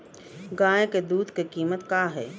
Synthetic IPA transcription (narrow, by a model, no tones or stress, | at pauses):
ɡaːjked̪uːd̪kekiːmət̪kaːɦɛ̰ː